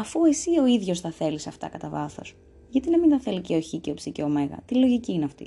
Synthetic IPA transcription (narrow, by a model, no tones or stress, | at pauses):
ɐfue̞sio̞iðʝo̞sθɐθe̞lisɐft̪ɐ̰kɐt̪ɐvɐθo̞̰s | ʝɐt̪inɐmint̪ɐθe̞liceoçiceopsiceome̞ɣɐ̰t̪ilo̞ʝiciːneɐft̪ḭ